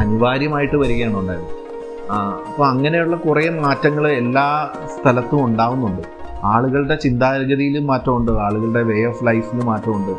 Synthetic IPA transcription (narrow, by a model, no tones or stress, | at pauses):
ɐniʋaːɾjɐmaːjiʈːɨʋɐɾikːɐjaːɳuɳɖaːɾunːu | ɐpːoɐŋːɐne̞juɭːɐkuremaːtːɐŋːɐɭe̞lːaː | st̪ʰɐlɐt̪ːumuɳɖaːʋunːuɳɖɨ | aːɭuɣɐɭɽe̞t͡ɕind̪aːɾɐɣɐðijilumːaːtːɐmuɳɖɨaːɭuɣɐɭɨɽe̞ʋe̞joflɐjfilumːaːtːɐmuɳɖɨ